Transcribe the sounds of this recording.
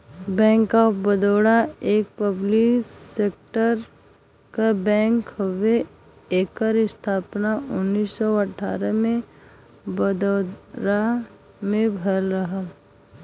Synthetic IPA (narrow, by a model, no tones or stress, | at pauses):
bɛ̃ːŋkːabəd̪ɔːɽaeːk̚pəblikseːk̚ʈəɾ | kabɛ̃ːŋkhəwe | eːkəɾɪst̪ʰaːpnaʊnːiːsːɔəʈʰa̰ːɾəmẽ | bəd̪oːɽa | mẽbʱəlɾəɦa